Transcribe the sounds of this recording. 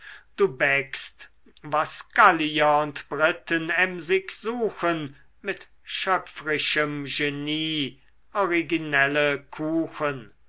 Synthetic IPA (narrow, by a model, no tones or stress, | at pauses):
d̥uːbɛkst | vasɡ̥aliɐʊntb̥ʁɪtənɛmzɪkz̥uːxən | mɪt | ʃœfʁɪʃəmʒeniː | ʔɔʁiɡinɛləkʰuːxən